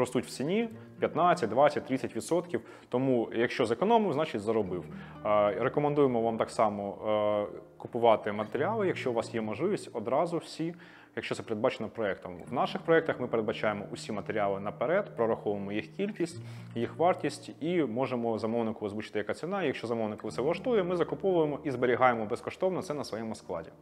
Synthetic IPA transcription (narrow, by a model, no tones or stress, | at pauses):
pɾɔst̪utʲw̥t͡sʲsʲinʲi | pʲjɐt̪nɑt͡sʲːɐt̚ʲd̪ʋɑt͡sʲsʲɐt̚ʲt̪ɾɪt͡sʲːɐtʲʋʲit̪sɔt̪kʲiw | t̪ɔmujɐkʃt͡ʃɔzekɔnɔmɪwznɑt͡ʃɪtʲzɐɾɔbɪw | ɾekɔmɐnd̪ujemɔʋɑmt̪ɑksɑmɔ | kʊpʊʋɑt̪ɪmɐt̪eɾʲɪɑlˠɪjɐkʃt͡ʃɔʊʋɑsjɛmɔʒlˠɪʋʲisʲtʲɔd̪ɾɑzʊwsʲi | jɐkʃt͡ʃɔt̪sɛpeɾed̪̚bɑt͡ʃenɔpɾɔɛkt̪ɔmʋnɑʃɪxpɾɔɛkt̪ɐxmɪpeɾed̪̚bɐt͡ʃɑjemɔ̰ʔʊsʲimɐt̪eɾʲɪalˠɪnɐpeɾɛd̪pɾɔɾɐxɔʋʊemɔjixkʲilʲkʲisʲtʲ | jixʋɑrtʲisʲtʲimɔʒemɔzɐmɔwnɪkʊʋɔzʋut͡ʃɪ̥t̪ɪjɐkɑt͡s̪ʲsʲinɑjɐkʃt͡ʃɔzɐmɔwnɪkɐʋt̪sɛʋlˠɐʃt̪ujɛmɪzɐkʊpɔʋʊjemɔʔizbeɾʲiɦɑjemɔbɛskɔʃt̪ɔwnɔt̪sɛnɐsʋɔjɛmʊsklˠɑ̰dʲi